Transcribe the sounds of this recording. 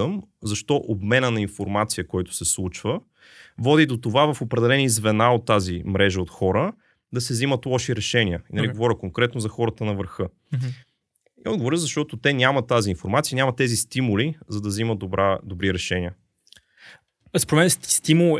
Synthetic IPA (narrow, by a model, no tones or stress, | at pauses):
əmzɐʃt̪ɔʔobmɛnənɐinfoɾmat̪sijəkɔjt̪ʊ̥sɛslˠut͡ʃvə | vɔd̪id̪ot̪ovavɐfopɾɛd̪ɛlɛnizvɛnaot̪ːazimɾɛʒəot̪xɔɾə | d̪ɐsɛzimət̪lˠɔʃiɾɛʃɛniəinɐliɡovɔɾʲəkoŋkɾɛt̪nozɐxɔɾət̪ənɐvəɾxɤ | iɔd̪ɡovoɾʲəzɐʃt̪ɔt̪ot̪ɛnʲamət̪aziːnfoɾmat̪sijənʲamɐt̪ɛzist̪imulizɐd̪ɐziməd̪obɾad̪obɾiɾɛʃɛnʲiə | spoɾɛmɛnɛst̪imulˠ